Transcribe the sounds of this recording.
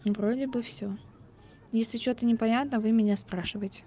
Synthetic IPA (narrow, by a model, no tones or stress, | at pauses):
vɾodʲɪbɨfsʲo | jesʲlʲɪt͡ɕot̪ənʲɪpɐnʲat̪nəvɨmʲɪnʲaspɾaʂɨvəjɪtʲɪ̥